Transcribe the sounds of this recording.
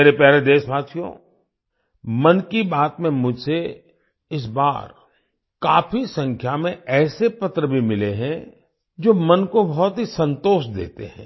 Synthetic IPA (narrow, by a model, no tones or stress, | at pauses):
eːɾepɛɦɾed̪eːʃbaːt̪ʃijõ̰ | mɐnkibaːt̪mẽmʊd͡ʒʱse | ɪs̬ba̰ːɾ | kaːfisɐ̃ŋkʰjamẽɛːsepɐt̪ɾəbʱimɪleɦɛ̃ | d͡ʒoːmɐnkobɔɦɔt̪ɦisɐ̃nt̪oːʃd̪ḛːt̪ḛɦɛ̰̃ː